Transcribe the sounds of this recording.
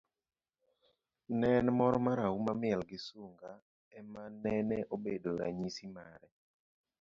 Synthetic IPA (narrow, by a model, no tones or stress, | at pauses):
nɛnmɔɾɔmaɾaumamɪɛlɡɪsuŋɡa | ɛmanɛnɛʔobedoɾa̰ɲisimaɾɛ